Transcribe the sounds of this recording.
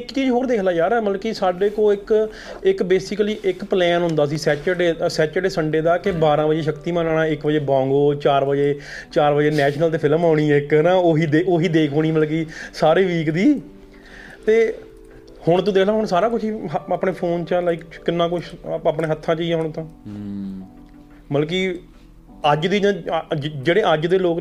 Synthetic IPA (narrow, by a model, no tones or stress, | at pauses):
ɪkːt͡ʃiːd͡ʒɦoːɾd̪eːkʰlaːjaːɾːməkiːsaːɖeːkoːɪk | ɪkbeːsɪkliːʔɪkplɛːnɦʊ̃nd̪aːs̬iːsɛːt͡ʃəɖeːsɛːt͡ʃəɖeːsəɳɖeːd̪aːkɪbaːɾãːbəd͡ʒeːʃəkt̪iːmə̃ːnaːɳãːɪkbəd͡ʒeːbãːŋɡoːt͡ʃaːɾʋəd͡ʒeː | t͡ʃaːɾʋəd͡ʒeːnɛːʃnəlt̪̬eːpʰɪlmaːʊɽ̃iːɛɪknãːoːɦiːd̪eːʔoːɦiːd̪eːkʰoːɽiːməlk̬iːsaːɾiːʋiːkd̪iː | t̪eː | hʊɳt̪õːd̪eːnaːɦʊɳsaːɾãːk̬ʊt͡ʃʰiːaːpɳeːpʰoːnt͡ʃalaiːkkɪnːãːkʊt͡ʃʰaːpɳẽːɦət̪ʰːãːt͡ʃiːɛːɦʊɳ̃t̪ʰõː | məlk̬iː | əd͡ʒd̪iːd͡ʒãːd͡ʒeːɽeːʔəd͡ʒd̪eːloːk